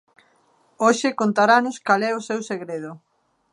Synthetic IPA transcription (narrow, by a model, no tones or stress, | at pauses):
oʃekont̪aɾanʊskalɛosewseɣɾeð̞ʊ